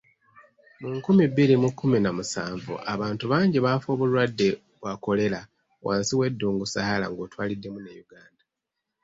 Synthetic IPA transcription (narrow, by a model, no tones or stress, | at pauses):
muŋkumiβːilimukʰːuminamusaːɱvṵʔaβaːntuβaːɲɟiβafo̞ːβulwadːe̞ | βwako̞le̞la | waːnsiwe̞dːuːŋɡusahala̰ŋɡo̞ːtwaːlidːe̞munejuɡaːnda